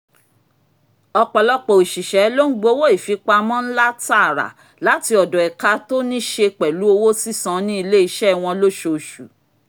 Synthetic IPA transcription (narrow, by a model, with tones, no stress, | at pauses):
ɔ˧k͡pɔ˨lɔ˦k͡pɔ˨i˨ʃi˨ʃɛ˨˦lo˦ŋ̩˦ɡ͡bo˦wo˦i˦˨fi˨˦k͡pa˧mɔ̃˦n̩˦la˦ta˦˨ɾa̰˨ | la˨˦ti˧˦ɔ˨dɔ˨ɛ˨ka˧to˦nĩ˦ʃe˧k͡pɛ˨lu˨˦o˧wo˦si˦sã˧nĩ˦i˧le˦i˧ʃɛ˦˨w̃ɔ̃˧lo˦ʃo˨ʃu˨